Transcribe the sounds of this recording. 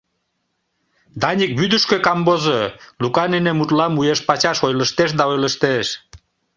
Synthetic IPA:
d̪ɑnʲik̚byd̪əʃkøkɑmbozolukɑnenemut̪lɑmujeʃpɑt͡ɕɑʃojləʃt̪eʃ̬d̪ɑojləʃt̪eʃ

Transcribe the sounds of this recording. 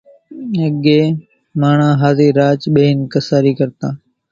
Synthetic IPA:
əɠeː | maːɳ̤ãːɦaːziːɾaːt͡ʃɓeːɪnkəsaːɾiːkəɾt̪ãː

